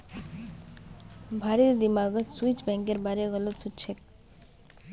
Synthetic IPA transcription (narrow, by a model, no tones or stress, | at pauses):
bʱaɾid̪imaɡot̪suit͡ɕbɛŋkeɾbaɾiɡɔlosuʈt͡ɕʰek̚